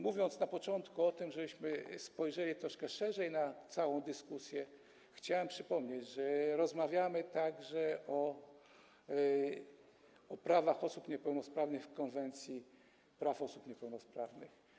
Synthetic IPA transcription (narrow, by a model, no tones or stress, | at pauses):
muvʲjɔnt̪snapɔt͡ʂɔnt̪kuɔt̪ɘmʐɛbɘɕmɘspɔjʐɛlʲit̪ɾɔʂkɛʂɛʐɛjnat̪sawɔ̃w̃d̪ɘskusʲjɛ | xt͡ɕawɛmpʂɘpɔmɲed͡ʑʐɛɾɔzmavʲjamɘt̪aɡʐɛʔɔ | ɔpɾavaxɔsupɲɛpɛwnɔspɾavnɘxfkɔnvɛnt̪sʲji | pɾafɔsupɲɛpɛwnɔspɾavnɘx